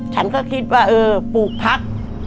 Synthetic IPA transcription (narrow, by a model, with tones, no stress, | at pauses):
t͡ɕʰa˦˥nkɔː˥˩kʰi˦˥t̪̚waː˥˩ʔɤː˧puː˨˩k̚pʰa˦˥k̚